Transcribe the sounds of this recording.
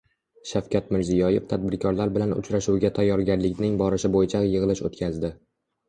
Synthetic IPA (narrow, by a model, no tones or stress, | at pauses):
ʃafkʲat̪̚mɪɾzijɒjeft̪ʰad̪̚bɪɾkʲʰɒɾlaɾbɪlanʊ̰t͡ʃʰɾaʃuwɡʲat̪ʰajːɒɾɡʲaɾlɪkʲnɪŋbɒɾɪʃɪbojɪt͡ʃʰajɨʁɨlˠɪʃot̪kʲʰazd̪ɪ